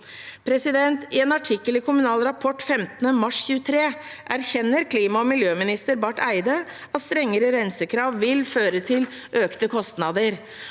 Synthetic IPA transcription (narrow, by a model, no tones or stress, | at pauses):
pʰɾɛsɪd̪ɛnt̪ɪeːnɑʈʰɪkːəlɪkʊmʉnɑːlɾɑpʰɔʈːfɛmt̪ənəmɑʂçʉːət̪ʰɾeːʔæɾçɛnːəɾkʰliːmɑɔmɪljøːmɪnɪst̪əɾbɑʈæɪd̪ə | ɑt̪st̪ɾɛŋːəɾəɾænsəkʰɾɑːʋʋɪlføːɾət̪ʰɪl | ʔøːkt̪əkʰɔst̪nɑd̪əɾ